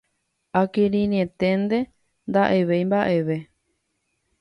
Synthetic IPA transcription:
akiɾĩniẽ̞t̪e̞nd̪e̞ | nd̪aʔe̞ʋejmbaʔe̞ʋe̞

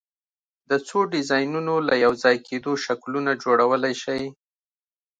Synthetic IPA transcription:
d̪ət͡soɖɪzɑjnunolajawzɑjkʰed̪oʃaklunad͡ʒoɽawəlajʃaj

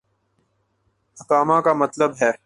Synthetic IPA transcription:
ɐkaːmãkamɐt̪ləbɦɛː

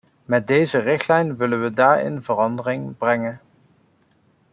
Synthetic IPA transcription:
mɛt̚dejzərɪχtlɛjnʋɪlənʋədaːɹɪ̰nvərɑndərɪŋbrɛŋən

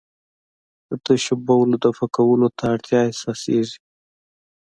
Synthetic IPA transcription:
d̪̥ət̪əʃabawəlod̪afakawəlot̪aːɽt̪ʰjɑesɑsḛʐi̥

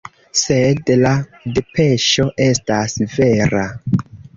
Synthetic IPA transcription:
sedladepe̞ʃo̞ʔe̞stasve̞ɾa

